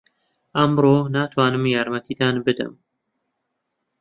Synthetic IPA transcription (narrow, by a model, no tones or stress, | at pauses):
ɐmɾoːnaːt̪ʰwɑːnɨmjɑːɾmɛt̪ʰiːd̪ɑːnbɨd̪ɨ̰m